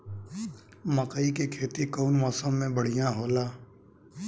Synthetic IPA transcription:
məqəikekʰeːt̪ikoːnmɔːsəmːẽbəɽ̤ijãɦoːlaː

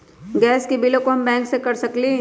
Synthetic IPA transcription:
ɡɛːskibɪlõkoɦɐmbɛ̃ːŋksekɐɾsɐkle

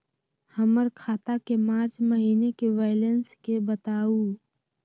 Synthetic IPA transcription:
həməɾkʰaːt̪akemaːɾt͡ʃməɦiːnekeʋaːɪlənskebət̪aːu

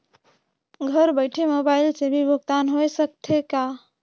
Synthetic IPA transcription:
ɡʱəɾbəɪʈʰemobailsebʱibʱəɡ̚t̪anɦojsək̚t̪ʰeka

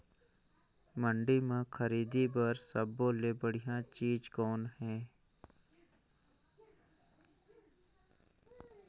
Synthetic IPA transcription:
mə̃ɳɖimẽkʰəɾiːd̪ibəɾsəbːoːlebəɽ̤ijãt͡ʃiːd͡ʒkɔːnɦɛ̃ː

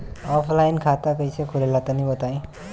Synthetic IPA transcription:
ɔpʰlajnkʰat̪akʌjsʰʌkʰuɾelat̪ʌnibʌt̪aẽ

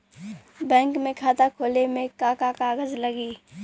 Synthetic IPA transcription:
bɛ̃ːŋkmẽkʰaːt̪akʰoːlemẽkakakaːɡəzləɡiː

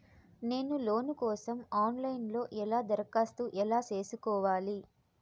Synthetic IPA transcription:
ne̞ːnuloːnukɔːsɐmaːnlɐjnlo̞ːʔɛlaːd̪ɐɾɐkaːst̪uːʔɛlaːt͡ʃe̞ːsukɔːʋaːli

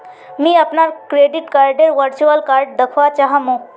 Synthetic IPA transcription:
mĩɐpnakɾeːɖɪʈkaːɾɖeɾʋəɾt͡ʃuəlkaːɾɖ̚d̪ɐkʰʋat͡ʃaɦamõ

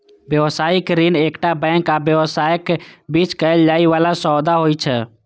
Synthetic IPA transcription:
bjəʋəsaikɾinekʈabɛ̃ŋkabjəwəsajəkbit͡ʃkəjld͡ʒaiʋalasɔd̪aɦojt͡ʃʰɛ

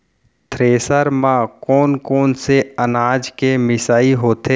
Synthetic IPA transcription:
t̪ʰɾeːsəɾmãkɔːnkoːnseənaːd͡ʒkemɪsaːiɦoːt̪eː

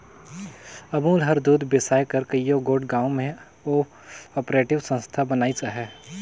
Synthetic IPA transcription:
ɐbuːlɦəɾd̪uːd̪besaːekəɾkɐijoɡoːɖɡãːõmẽ | oː | ɔːpɾeːʈɪʋsə̃nst̪ʰabɐnaːit͡ʃaɦɛː

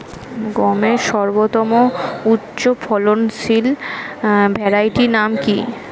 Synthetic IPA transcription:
ɡɔmeʃɔɾbot̪ɔmoutːɕopʰɔlonsil | bʱɛɾajʈinamki

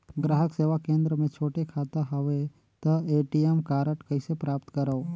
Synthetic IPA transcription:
ɡɾaːɦəkseːʋakẽːnd̪ɾəmẽt͡ʃʰoːʈekʰaːt̪aɦəʋe | t̪əeːʈiemkaːɾəʈkəɪsepɾaːpt̪kəɾəo

